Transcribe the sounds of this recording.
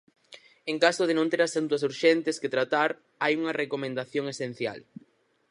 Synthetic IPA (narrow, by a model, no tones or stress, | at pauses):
eŋkasʊðenõnt̪eɾɐsant̪uɐsuɾʃɛnt̪esket̪ɾat̪aɾ | ajuŋɐrekomẽnd̪aθjoŋesen̟θja̰l